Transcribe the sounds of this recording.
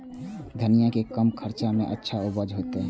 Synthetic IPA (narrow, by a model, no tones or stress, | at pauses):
d̪ʱənijakekəmkʰəɾt͡ʃamḛ̃ʔətːʃʰaʊbəd͡ʒɦoːt̪eɦɛ̃